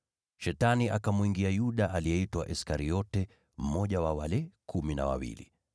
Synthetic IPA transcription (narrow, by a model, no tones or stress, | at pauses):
ʃɛtaniʔakamuiŋɡiajuɗaʔaliɛitwa̰ʔɛskaɾiɔtɛ | m̩mɔʄawawalɛkʰumina̰wa̰wḭlḭ